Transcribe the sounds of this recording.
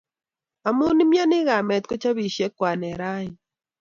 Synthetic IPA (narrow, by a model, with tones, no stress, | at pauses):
a˨mʊ˦nɪ˦mja˦nɪ˦ɣa˨mɛ˨t̪̚ko˦t͡ʃa˦βi˨ʃe˦kwa˨nɛ˨ɾa˦ɪ˨